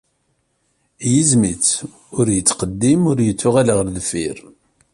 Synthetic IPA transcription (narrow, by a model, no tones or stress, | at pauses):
jəzmit͡s | ʊɾjət͡sːqəd̪ːimʊɾjət͡sːʊʁaləʁlðəfiɾ